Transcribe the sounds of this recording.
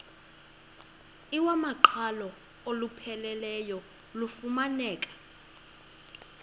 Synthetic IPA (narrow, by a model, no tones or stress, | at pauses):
iwamaǃʰalɔ | olupʰɛlɛlɛjɔ | lufumanɛːk̬ʼḁ